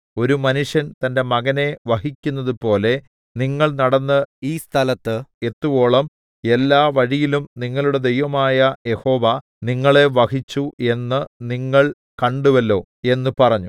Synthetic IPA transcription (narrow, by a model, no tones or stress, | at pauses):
o̞ɾumɐnuʂjɐnt̪ɐnde̞mɐɣɐne̞ʋɐɦikʲːunːɐðupo̞ːle̞ | niŋːɐɭnɐɽɐnːɨiːst̪ʰɐlɐt̪ːɨe̞t̪ːuʋo̞ːɭɐm | e̞lːaːʋɐɻijilumniŋːɐɭuɽe̞d̪e̞jʋɐmaːjɐje̞ho̞ːʋɐ | niŋːɐɭe̞ʋɐhit͡ɕːuʔe̞nːɨniŋːɐɭ | kɐɳɖuʋɐlːo̞ː | e̞nːɨpɐrɐɲːu